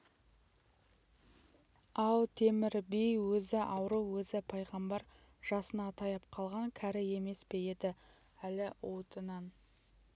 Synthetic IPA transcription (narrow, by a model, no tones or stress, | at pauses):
ɑwt̪ʰe̞mɪɾbejwɵzɪʔɑwɾəwwɵzɪpʰɑjʁɑmbɑɾ | ʒ̥ɑsənɑt̪ʰɑjɑp̚qʰɑlˠʁɑŋkʲʰæɾɪe̞me̞sbe̞je̞d̪ɪ | ælɪwot̪ənɑn